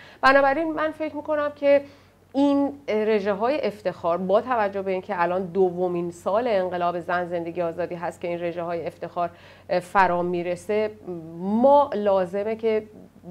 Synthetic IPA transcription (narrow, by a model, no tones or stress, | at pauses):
b̥ænɒːbæɾinmænfe̞cʰɾmiːkʰo̞næmcʰe̞ | inɾe̞ʒeɦɒːje̞ʔeft̪e̞xɒːɾbɒːt̪ʰævæd͡ʒːo̞hbe̞iːncʰeælɒːnd̪ovominsɒːle̞ːɴɢe̞lɒːbe̞zænze̞nd̪e̞ɡɟijɒːzɒːd̪iːɦæst̪̚cʰe̞iːnre̞ʒeɦɒːjeeft̪e̞xɒːɾ | fæɾɒːmiːɾe̞se | mɒːʔlɒːze̞mecʰe̞